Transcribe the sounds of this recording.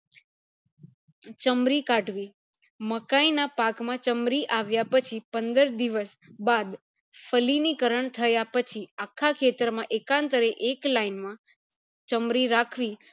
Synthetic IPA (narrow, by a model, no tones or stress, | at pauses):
t͡ʃəmɾikaʈʋi | məkainapakmãt͡ʃəmɾiʔaʋjapət͡ʃʰipənd̪əɾd̪iʋəsbad̪ | fʰəlinikəɾəɳt̪ʰəjapət͡ʃʰiakʰːakʰet̪ɾmãʔekãnt̪əɾeʔeklainmã | t͡ʃəmɾiɾakʰʋi